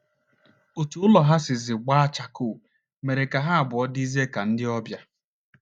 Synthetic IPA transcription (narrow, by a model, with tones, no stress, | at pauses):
o˨tu˨ʊ˦lɔ˨ɦa˦sɪ˨zɪ˨ɡ͡ba˦a˦t͡ʃa˨kʊ˨ | me˨ɾe˨ka˨ɦa˦a˨bʊ˨ɔ˦di˦ze˦ka˨n̩˦dɪ˦ɔ˦bja˦